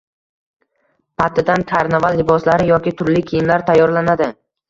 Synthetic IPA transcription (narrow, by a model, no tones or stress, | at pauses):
pʰat̪ʰːɪd̪ankʲʰaɾnavalˠːɪbɒslaɾɪjɒkʲɪt̪ʰʊɾlɪkʲʰijɪmlaɾt̪ʰajːɒɾlanad̪ɪ